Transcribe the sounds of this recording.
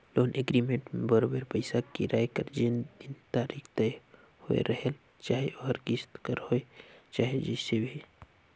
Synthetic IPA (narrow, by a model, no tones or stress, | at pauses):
loːnʔeɡɾiːmẽɳʈmẽbəɾoːbəɾpəɪsakiɾaːjkəɾd͡ʒend̪ɪnt̪aːɾiːkt̪ɐj | ho̰ḛɾəɦel | t͡ʃaːɦeʔoəɾkɪst̪kəɾhoet͡ʃaːɦed͡ʒɛːsebʱi